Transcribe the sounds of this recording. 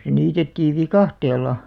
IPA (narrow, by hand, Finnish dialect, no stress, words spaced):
se niːtetːiːʋ ʋikɑhtelˑɑ